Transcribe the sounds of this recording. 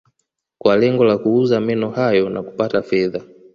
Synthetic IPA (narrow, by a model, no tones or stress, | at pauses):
kwalɛŋɡɔlakuuzamɛnɔhajɔnaku̥patafɛða